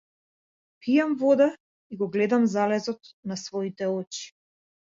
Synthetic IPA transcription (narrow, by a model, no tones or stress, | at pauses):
pʰijamvɔd̪a | iɡɔɡlɛd̪amzalɛzɔt̪nasvɔit̪ɛɔt͡ʃi̥